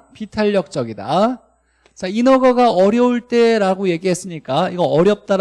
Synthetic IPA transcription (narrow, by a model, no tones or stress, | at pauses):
pitʰaʎːʌk̚t͡ɕ͈ʌɡida̰ | t͡ɕ͈ainʌɡʌɡaʌɾjʌuɭt͈e̞ɾaɡoje̞ɡiɦe̞s͈ɯɲik͈aiɡʌʌɾjʌp̚t͈aɾ